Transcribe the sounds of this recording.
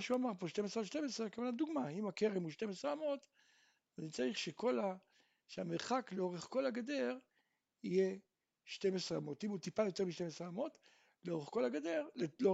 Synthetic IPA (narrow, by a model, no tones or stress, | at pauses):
ʃuamaʁpo̞ʃtemesʁelʃtemesʁekevanad̪uɡmaimakeʁemuʃtemesʁeamo̞t̪ | anit͡saʁiχʃeko̞la | ʃeameʁχakleo̞ʁeχko̞laɡad̪e̞ʁ | ije̞ | ʃte̞mesʁeamo̞timut̪ipajo̞t̪e̞ʁmiʃtemesʁeamo̞t | leoʁeχko̞laɡad̪e̞ʁlelo